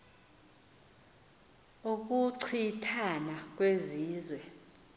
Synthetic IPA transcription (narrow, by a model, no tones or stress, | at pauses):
uk̬ʼuǀʰitʰanak̬ʼweziːzwɛ